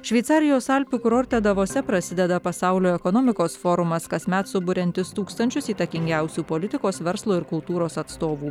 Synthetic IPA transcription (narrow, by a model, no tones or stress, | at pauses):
ʃʲʋʲɛɪt̪sɑːɾʲɪjoːsɐlʲpʲuːkɾoːɾʲt̪ʲɛd̪ɐʋoːsʲɛpɾɐsʲɪd̪ʲɛd̪ɐpɐsɑʊlʲoːɛkɔnoːmʲɪkoːsfoːɾʊmɐskɐsʲmʲæt̪sʊbʊɾʲɛnʲt̪ʲɪst̪uːkst̪ɐnʲt͡ʃʲʊsiːt̪ɐkʲɪŋʲɡʲæʊsʲuːpoːlʲɪt̪ʲɪkoːsʋʲɛɾslˠuːɪɾkʊlˠt̪uːɾoːsɐt̪st̪oːʋuː